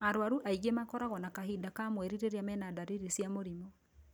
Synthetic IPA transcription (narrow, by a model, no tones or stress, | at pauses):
aɾowaɾuʔaiɣemakɔɾaɣɔnakaɦidakamwɛɾiɾeɾeamɛnadaɾiɾisjamoɾimɔ